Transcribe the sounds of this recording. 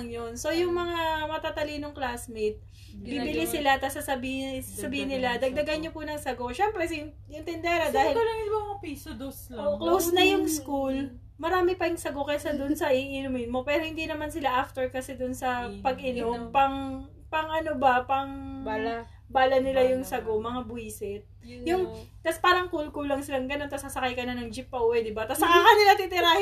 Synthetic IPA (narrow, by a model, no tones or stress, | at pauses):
ŋjonso̞jʊŋmɐŋamɐt̪at̪ɐlinoŋklaːsmɪt̪̚ | bibɪlɪsɪlat̪asɐsɐbihsɐbiːhɪnːɪlad̪ɐɡ̚d̪ɐɡanɲopʊnɐŋsɐɡo̞ʃɛmpɾɛs | ɪnt̪ɪnd̪ɛɾɐd̪aːhɪlɐlɐŋɪbaʊpisd̪osoklosnɐjʊŋskul | mɐɾaːmɪpɐɪŋsɐɡo̞kɐjsɐd̪ʊnsɐʔiʔɪnumɪnmo̞pɛːɾo̞hɪnd̪inɐmansɪlaʔaft̪ɛɹkɐsɛd̪ʊnsɐpɐɡʔɪnompɐŋ | pɐŋʔɐnobɐpɐŋ | baːlɐnɪlajʊŋsɐɡo̞mɐŋabʊiːsɪt̪̚ | jʊŋt̪ɐspaːɾɐŋkulkulɐŋsɪlaŋɡɐno̞nt̪ɐsɐsɐkajkɐnɐnɐŋd͡ʒɪpːɐʔuːwɛd̪ɪbat̪ɐsɐkakɐnɪlat̪ɪt̪ɪɾah